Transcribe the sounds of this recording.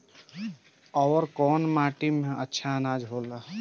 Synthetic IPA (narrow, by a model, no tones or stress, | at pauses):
ɔwɾkɔːnmaːʈimẽʔətːʃʰanaːd͡ʒɦoːla